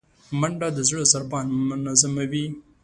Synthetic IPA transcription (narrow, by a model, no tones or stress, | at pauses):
maɳɖad̪əzɽəzaɾbɑnmʊmʊnazamawi